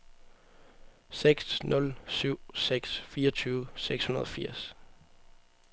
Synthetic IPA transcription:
seɡ̥snɔ̽lsyʊ̰seɡ̥sfiːɐɒt͡sʰyːʊseɡ̥shunɐð̞ˠɒ̽fiɐ̰s

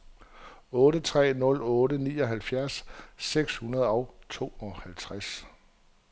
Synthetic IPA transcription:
ɔ̽ːɾət͡sʰʁɛ̰ːnɔ̽lɔ̽ːɾənḭːɒ̽ɦælfjæɐsːeɡ̥shunɐð̞ˠɒʊt͡sʰo̝̰ːɒ̽hælt͡sʰʁas

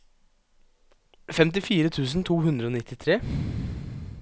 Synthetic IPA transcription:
fɛmt̪̬ɪfiːɾət̪ʰʉːsn̩t̪ʰuːhʉnd̪ɾəoːnɪt̪ʰːɪt̪ʰɾeː

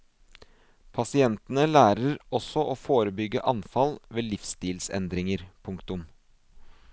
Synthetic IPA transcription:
pʰɑsɪɛnt̪ənəlæːɾəɾɔsɔʔoːfoːɾəbʏɡːə̰ʔɑnfɑlʋeːlɪfst̪iːlsɛ̰nd̪ɾɪŋəɾpʰʊŋkt̪ʊm

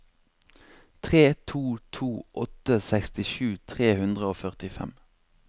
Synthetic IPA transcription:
t̪ʰʁeːt̪ʰuːt̪ʰuːʔɔt̪əsækst̪ɪʃʉːt̪ʰʁeːhʉnd̪ʁəoːfœʁt̪ɪfɛ̰m

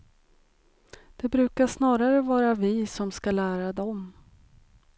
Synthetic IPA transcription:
d̪̥ɛbɾʉ̟ːkaʂnɑːɾaɾəvɑːɾavɪsɔmskalæːɾad̪ɔm

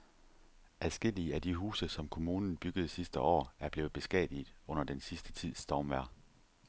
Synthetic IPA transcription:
ʔæðˠsɡ̥e̝l̰iəæd̥iɦṵːsəsɒ̽mkʰo̝muːnn̩b̥yɡ̥əð̞̩ˠsisd̥əʔɒ̰ːæɐb̥le̝ːð̩ˠb̥e̝sɡ̥ɛ̰ːð̥ˠiðˠɔ̽n̰ɐd̥ensisd̥ə̥t͡sʰið̞̰ˠsd̥ɒʊmʋæɐ̰

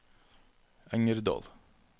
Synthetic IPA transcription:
æŋəɾd̪ɑ̰ːl

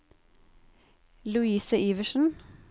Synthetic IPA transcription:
lʉiːsəʔiːʋəʃn̩

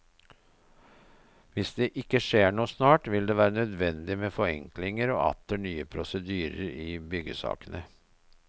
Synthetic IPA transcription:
ʋɪsd̪eːʔɪkːəʂeːɳuːsnɑːʈʋɪld̪eːʋæːɾənœd̪ʋɛnd̪ɪmeːfɔɛ̰ŋklɪŋəɾoːʔɑ̰t̪əɳyːəpʰɾʊsəd̪yːɾə̰ɾɪːbʏɡəsɑ̰ːkənə

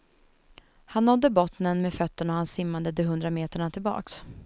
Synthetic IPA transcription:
hanːɔd̪ːəbɔt̪nənmɛfœt̪ːəɳahansɪmːand̪əd̪ɛɦɵnd̪ɾameːt̪əɳat̪ʰɪlbɑ̰ːks

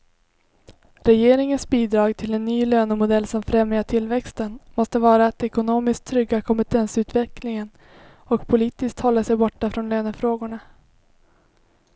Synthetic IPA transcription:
ɾɛjeːɾɪŋənsbiːd̪ɾɑːɡt̪ʰɪlɛnːyːløːnəmʊd̪ɛlːsɔmfɾɛmjaʈʰɪlːvɛkst̪ənmɔst̪əvɑːɾat̪ɛkʊnoːmɪsk̚t̪ʰːɾʏɡːakʰɔmpɛt̪ʰɛnsʉ̟ːt̪vɛklɪŋən | ɔkpʰʊliːt̪ɪskt̪hɔlːasɛjbɔʈːafɾɔnløːnəfɾoːɡʊɳa

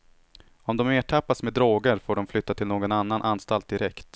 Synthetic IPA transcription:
ɔmd̪ɔmeːʈʰapːasmed̪ɾoːɡəɾfoːɖɔmflʏt̪ːat̪ʰɪlnoːɡɔnanːanʔanːst̪alt̪̚d̪ɪɾɛkt̪

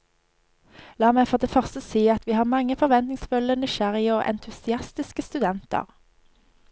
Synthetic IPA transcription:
lɑːmæɪfɔʁd̪eːfœʁst̪əsiːɑt̪ʰʋiːhɑːʁmɑŋːəfɔʁʋɛnt̪nɪŋsfʉlənɪʃæʁɪəoːʔɛ̰nt̪ʰʉsɪɑst̪ɪskəst̪ʉd̪ɛnt̪ə̰ʁ

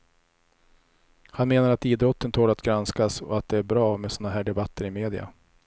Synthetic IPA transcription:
hanmeːnaɾat̪iːd̪ɾɔt̪ʰːənt̪ʰoːɖat̪ɡɾanskasɔ̰at̪̚d̪ɛæɾbɾɑːmɛsɔːnaɦæːɖɛbat̪ʰːəɾɪmeːd̪ɪa̰

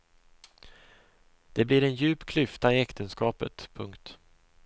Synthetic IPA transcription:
d̪̥ɛblɪɾɛnjʉ̟ːpkʰlʏft̪aɪɛkt̪ʰənskɑːpə̰t̪pʰɵŋkt̪

